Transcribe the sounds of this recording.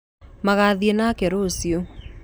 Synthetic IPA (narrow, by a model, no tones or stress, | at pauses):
maɣaðienakeɾosio